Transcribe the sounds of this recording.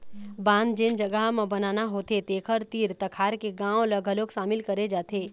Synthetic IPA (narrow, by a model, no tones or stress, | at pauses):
bãːnd̪d͡ʒɪnd͡ʒɐɡəɦmãbɐnaːnaɦoːt̪et̪eːkʰəɾt̪iːɾt̪ɐkʰaːɾkeɡãːõlɐɡʱəlokʃaːmɪlkɐɾed͡ʒaːt̪ʰeː